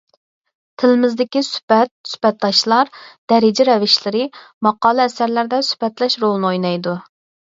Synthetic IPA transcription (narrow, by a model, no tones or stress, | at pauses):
t̪ʰɪlɪmɪzd̪ɪkʲisy̥pɛt̪̚sy̥bɛt̪̚d̪ɑʃlˠɑɾd̪̥ɛɾɪd͡ʒɛɾɛvɪʃlɪɾɪmɑqɑːlˠɨːsæɾlæɾd̪ɛsy̥pɛt̪lɛʃɾolˠnɨojnɑjd̪u